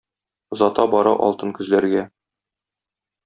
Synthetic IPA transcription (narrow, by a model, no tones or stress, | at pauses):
zɒt̪ɑbɒɾɑ̰ʔɒ̰lˠt̪ɤnkɵ̆zlæɾɡæ